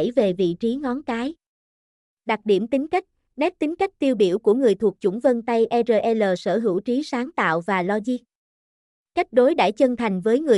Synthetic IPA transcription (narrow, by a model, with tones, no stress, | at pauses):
jve˨˩vḭ˧˨t͡ɕi˨˦ŋɔ˨˦nkaː˨˦j | ɗa˨˩k̚ɗi˧˩əmt̪ï˨˦ŋ̟ka˦˥jk̚ | nɛ˦˥t̚t̪ï˨˦ŋ̟ka˦˥jk̚t̪i˧əwɗi˧˩əwku˧˩əŋɨ˨˩əjt̪ʰu˨˩ək̚t͡ɕʊ̰˧˩ŋ͡mvə˧nt̪a˧jʔɛ˧zəː˧˩ʔɛ˧ləː˨˩səː˧˩ɦɨ̰˧˩wt͡ɕi˨˦saː˨˦ŋt̪a̰ː˧˨wvaː˨˩lɔ˧zi˧ | ka˦˥jk̟̚ɗo˨˦jɗa̰ː˧˥˩jt͡ɕə˧ŋt̪ʰa˨˩jŋ̟vəː˨˦jŋɨ˨˩